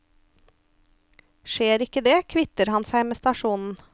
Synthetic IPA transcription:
ʃeːɾɪkəd̪eːkʰʋɪt̪əɾhɑnsæɪmeːst̪ɑʃuːnn̩

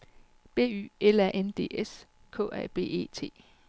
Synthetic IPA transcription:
b̥e̝̰ːy̰ːelæʔend̥e̝̰ːes | kʰɔ̰̽ːæɐb̥e̝̰ːe̝̰ːt͡sʰe̝̰ː

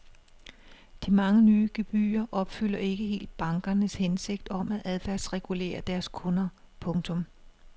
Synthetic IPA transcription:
d̥imɑ̈ŋənyːɡ̥eb̥y̰ːɐʔɒ̽b̥fyl̰ɐe̝ɡ̥əɦhe̝̰ːld̥̚b̥ɑ̈ŋɡ̥ɐnəshense̝ɡ̥̚d̥ɒ̽mæʔæðˠfæɐ̰sʁɛɡ̥ule̝̰ːɐd̥æɐskʰɔ̽nɐ | pʰɔ̽ŋt͡sʰɔ̽m

